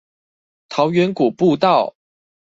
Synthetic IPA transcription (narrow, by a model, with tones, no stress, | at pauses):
t̪ʰɑ˨˧˥ʊɥɛ˧˥nku˨˩pu˥˧t̪ɑ˥˨ʊ | t